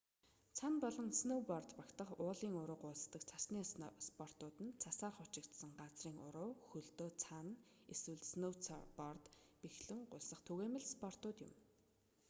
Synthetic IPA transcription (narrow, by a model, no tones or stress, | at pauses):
t͡sʰanpɔɮɞ̆nsnowpɔrt̪pakt̪ə̆χʊːɮiːŋʊɾʊːqʊːɮt̪ə̆kt͡sʰḁsniːspɔr̥t̪ʊːt̪ɘ̆nt͡sʰasaːrχʊt͡ɕɪ̆kt̪sə̆ŋɢat͡sriːŋʊ̰ɾʊːxɵɮt̪oːt͡sʰan | eswɘ̆ɮsnowt͡sʰa̰rpɔrt̪pixɮɘ̆ŋɢʊɮsə̆χt̪ʰɵɣeːmɘ̆ɮspɔr̥t̪ʊːt̪jʊ̰m